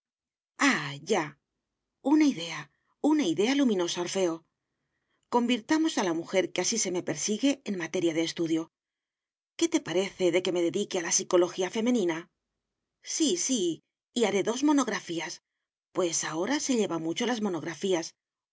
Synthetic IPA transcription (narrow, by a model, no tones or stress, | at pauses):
aʝa | unaiðe̞a | unaiðe̞alumĩno̞saoɾfe̞o̞ | ko̞mbiɾt̪amo̞salamuxe̞ɾkeasise̞me̞pe̞ɾsiɣe̞ːnmat̪e̞ɾjaðe̞ːst̪uðjo̞ | ke̞t̪e̞paɾe̞θe̞ðe̞ke̞me̞ðe̞ðikealasiko̞lo̞xiafe̞me̞nĩna | sisi | iaɾe̞ðo̞zmo̞no̞ɣɾafias | pwe̞sao̞ɾase̞ʎe̞βamut͡ʃo̞lazmo̞no̞ɣɾafias